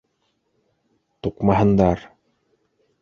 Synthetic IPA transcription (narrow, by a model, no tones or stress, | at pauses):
t̪uqmɑɦɤ̆nd̪ɑɾ